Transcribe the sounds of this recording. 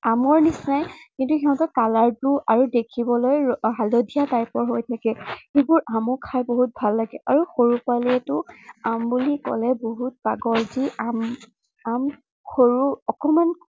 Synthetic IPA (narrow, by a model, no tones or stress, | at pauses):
amɔɹnisnajkintuxiɦɔ̃ntɔkalaɹtuʔaɹudekʰibɔlojɦalodʱijataɹpɔɹɦojtʰakɛxebʊɹamʊkʰajboɦut̚bʱalːaɡɛʔaɹuxoɹupaliɛtʊambulikɔ̰lɛboɦut̚baɡɔɹziam | am | xʰoɹuɔkɔman